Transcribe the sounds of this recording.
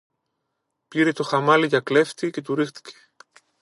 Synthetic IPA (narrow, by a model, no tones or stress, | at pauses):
piɾe̞t̪o̞xɐmɐliʝɐkle̞ft̪ice̞t̪uɾixt̪i̥ce̥